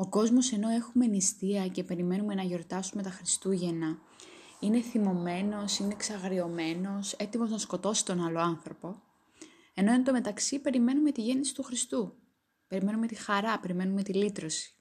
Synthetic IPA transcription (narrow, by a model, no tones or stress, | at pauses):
o̞ko̞zmo̞se̞no̞e̞xumenist̪iɐce̞pe̞ɾime̞nume̞nɐʝo̞ɾt̪ɐsume̞t̪ɐxɾist̪uʝe̞nɐ | ine̞θimo̞me̞no̞sine̞ksɐɣɾio̞me̞no̞se̞t̪imo̞znɐsko̞t̪o̞si̥t̪o̞nɐloɐnθɾo̞po̞ | e̞no̞ent̪o̞me̞t̪ɐksipe̞ɾime̞nume̞t̪iʝe̞nisi̥t̪uxɾist̪u | pe̞ɾime̞nume̞t̪ixɐɾɐpe̞ɾime̞nume̞t̪ilit̪ɾo̞si̥